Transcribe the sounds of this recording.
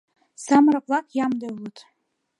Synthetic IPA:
samɾaqʼlˠakʼʰjamdalutʰʼ

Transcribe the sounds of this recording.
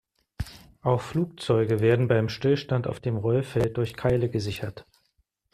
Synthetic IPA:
ʔaʊxfluːk̚t͡sɔʏɡəveːɐdn̩baɪmʃtɪlʃtanta̰ʊfd̥eːmʁɔlfɛlt̚d̥ʊɐçkʰaɪləɡəzɪçɐt

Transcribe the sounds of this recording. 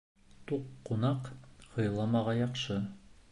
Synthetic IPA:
t̪uqːunɑqhɤ̆jlˠɑmɑʁɑjɑqʃɤ

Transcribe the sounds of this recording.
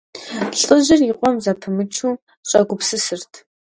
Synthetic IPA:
pɬʼəʑɪriqʷʼɔmzatʰɨmɨt͡ʃʰuː | ɕʼɐɡʷʊpsɨsɨrtʰ

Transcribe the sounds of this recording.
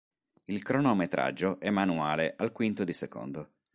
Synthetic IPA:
ilkɾɔnomet̪ɾa̰d͡ʒːoʔɛmːanuaːleʔalkwint̪od̪iseko̰nd̪o

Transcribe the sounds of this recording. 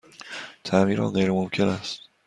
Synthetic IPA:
t̪ʰæmiːɾɒ̰ːɣejɾemomcʰe̞næst̪

